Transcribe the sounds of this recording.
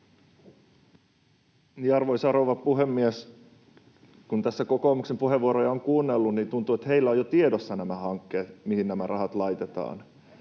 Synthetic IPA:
niɑrʋojsɑɾoʋɑpuɦemːies | kunt̪æsːæko̞ko̞ːmuksempuɦe̞ʋuoɾojɑoŋkuːnːelːunniːnt̪unt̪uːet̪he̞jlːæojot̪iedosːɑnæmæhɑŋkːeːt̪mihinnæmærʔɑɦɑt̪lɑjt̪e̞t̪ɑ̰ːn

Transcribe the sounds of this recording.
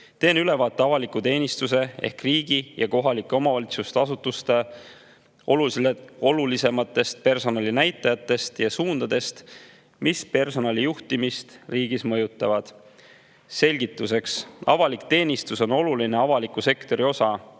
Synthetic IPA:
t̪e̞ːnyle̞vɑːt̪ːˑeɑvɑlikut̪e̞ːnʲist̪use̞e̞̰hkriːɡ̥ijɑko̞ɦɑlikːˑe̞o̞mɑvɑlʲit̪sust̪eɑsut̪ːˑust̪e̞ | o̞lusleo̞lulise̞mɑt̪ːˑe̞st̪̚pe̞rso̞nɑlinæjt̪ːˑɑjɑt̪ːˑe̞st̪jɑsuːnd̪̥ɑd̪̥e̞st̪ | mispe̞rso̞nɑlijuht̪imist̪riːɡ̥ismɤjut̪ˑːɑvɑd̪̥ | se̞lʲɡ̥it̪ːˑuse̞ksɑ̰vɑlikt̪e̞ːnʲist̪uso̞no̞luline̞ɑvɑlikːˑuse̞kt̪o̞ɾio̞sɑ

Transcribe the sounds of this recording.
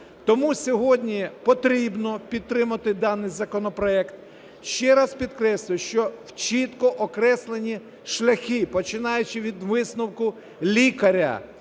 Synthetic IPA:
t̪ɔmusʲɔɦɔdʲnʲipɔt̪ɾʲibnɔpʲid̪̚t̪ːɾɪmɐt̪ɪd̪ɑnːɪjzɐkɔnɔpɾɔɛkt̪ | ʃt͡ʃɛɾɑspʲid̪kɾɛsʲlʲˠɪʃt͡ʃɔwt͡ʃit̪kɔʔɔkɾɛslˠenʲi | ʃlʲɐxʲipɔt͡ʃɪnɑjʊt͡ʃɪʋʲid̪ʋɪsnʊwkʊ | lʲikɐɾʲɐ̰

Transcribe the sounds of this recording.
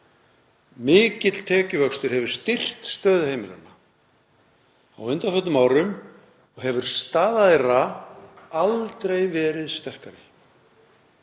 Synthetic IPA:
mɪːcɪt̪l̥t̪ʰɛːcʏvœkst̪ʏɾ̥hɛvʏɾ̥st̪ɪr̥t̪st̪œːðheːjmɪla̰na | awʏnt̪afœt̪ʏmawɾʏm | ɔɣɦɛvʏɾ̥st̪aːðaɾa | alt̪ɾejvɛːɾɪðst̪ɛr̥kaɾɪ

